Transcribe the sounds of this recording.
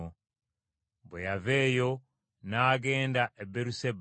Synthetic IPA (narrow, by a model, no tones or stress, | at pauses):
o | bwejaveːjo̞ | naːɡe̞ːndaʔebeɾuseb